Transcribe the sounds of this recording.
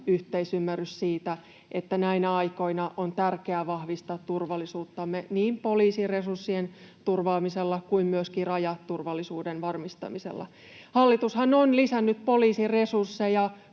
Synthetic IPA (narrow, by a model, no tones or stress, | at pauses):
yht̪eisymːæryssiːt̪æ | et̪ːænæinæɑiko̞inɑʔont̪ærkeæʋɑhʋist̪ɑt̪t̪urʋɑlːisuːt̪ːɑmːeniːmpoliːsiresursːient̪urʋɑːmiselːɑkuimmyøskirɑjɑt̪t̪ːurʋɑlːisuːdenʋɑrmist̪ɑ̰misḛlːɑ̰ | hɑlːit̪ushɑnonlisænːyt̪poliːsiresursːejɑ